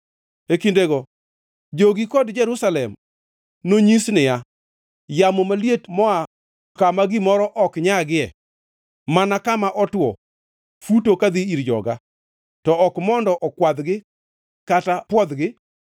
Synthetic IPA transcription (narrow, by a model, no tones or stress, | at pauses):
ekindeɡɔ | d͡ʒoɡikɔdd͡ʒɛɾusalɛm | noɲisnɪja | jamɔmaljetmɔa | kamaɡɪmɔɾɔʔɔkɲaɡɪɛ̰ | manakamaʔɔtwɔ̰ | futokad̪iiɾd͡ʒɔ̰ɡa | tɔɔkmɔndɔʔɔkwad̪ɡɪ | katapwɔd̪ɡɪ